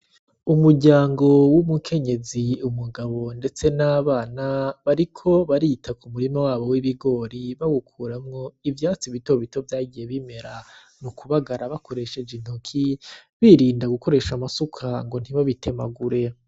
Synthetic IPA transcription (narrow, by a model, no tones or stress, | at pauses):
umuɾɟaːŋɡo̞wumukʰe̞ɲe̞ziumuɡaβo̞nde̞t͡se̞naːβaːnaβaɾikʰo̞βaɾitʰakumuɾimawaːβo̞wiβiɡo̞ːɾiβawukʰuːɾamŋo̞ivjaːt͡siβito̞βito̞vjaːɟije̞βime̞ɾa | nukuβaɡaɾaβakʰo̞ɾe̞ʃe̞d͡ʒin̥okʰiβiɾiːndaɡuko̞ɾe̞ʃamasukʰaŋɡo̞n̥hiβaβite̞maɡuɾe̞